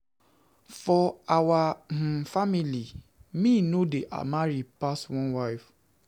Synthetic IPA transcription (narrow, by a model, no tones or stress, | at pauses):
fɔawãfamĩlimĩnodeʔa̰mãɾipastw̃ɔ̃nwaɪf